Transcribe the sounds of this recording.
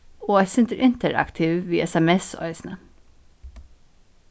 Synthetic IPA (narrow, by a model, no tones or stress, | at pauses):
oːæsɪnt̪əɾʔɪnt̪əɹɑ̰kt̪ʰiʋʋiːʔɛsɛmɛso̰œɪsnə